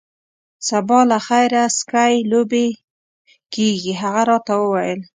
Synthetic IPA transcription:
sabɑlaxajɾaskajlobe | keɡiɦaɣaɾɑt̪awəwajəl

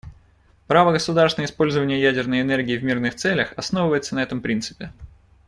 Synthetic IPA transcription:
pɾavəɡəsʊd̪aɾrsnəɪspo̞lʲzəvənʲɪjəjædʲɪrnəjɪnɛrɡʲɪːvmʲirnɨxt̪sɛlʲəxɐsnovɨvəjɪt̪sənɐɛt̪əmpɾʲint̪sɨ̥pʲɪ

